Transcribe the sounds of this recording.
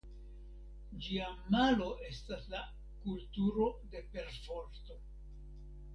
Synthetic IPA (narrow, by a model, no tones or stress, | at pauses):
d͡ʒiamalo̞ʔe̞stasla | kultuɾo̞de̞pe̞ɾfo̞ɾt̪o̞